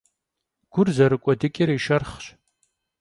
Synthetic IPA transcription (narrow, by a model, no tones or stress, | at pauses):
ɡ̥ʷʊrzɐɾɨkʷʼɔdɨkʲʼɪɾiːʃɐrχɕ